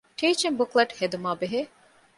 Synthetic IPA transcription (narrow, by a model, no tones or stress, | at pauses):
ʈiːt͡ʃembukleʈhed̪umaːbeɦeː